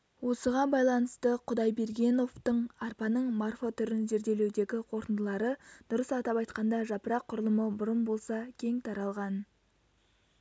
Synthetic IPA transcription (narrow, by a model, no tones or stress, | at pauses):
wo̞səʁɑnbɑjlˠɑnəst̪əqʰʊd̪ɑjbe̞ɾɡʲe̞no̞ft̪əɴɑrpɑnəɴmarfo̞t̪ʰʏɾɪnze̞ɾd̪e̞le̞wd̪e̞ɡʲɪqʰo̞ɾt̪ənd̪əlˠɑɾəd̪̥ʊɾəsɑt̪ɑpɑjt̪qɑnd̪ɑʒɑpəɾɑqʰːʊɾlˠəməbʊɾənbo̞lˠsɑkʲʰe̞ŋt̪ʰɑɾɑlˠʁɑn